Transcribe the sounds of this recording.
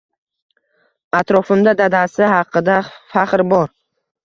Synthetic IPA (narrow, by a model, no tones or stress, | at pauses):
at̪ɾɒfɪmd̪ad̪ad̪asɪhɑqʰːɨd̪afaqɾbɒɾ